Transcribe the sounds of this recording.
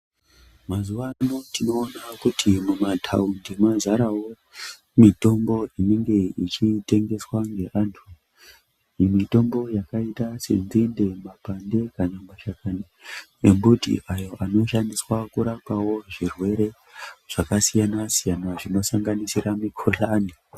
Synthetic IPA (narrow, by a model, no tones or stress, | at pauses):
mazuʋanotino̞ːnakutʰimumatʰaundemazaɾawo̞ | mito̞mbo̞ine̞ŋɡe̞it͡ʃite̞ŋɡe̞swaŋɡe̞ʔaːntʰu | jimito̞mbo̞jakaitasḛnzinde̞mapande̞kanamaʃakani | embutḭʔajo̞ʔano̞ʃandiswakuɾakawo̞ʐirwe̞ɾe̞ | ʐ̥akasijanasijanaʐino̞saŋɡanisiramikʰolaːni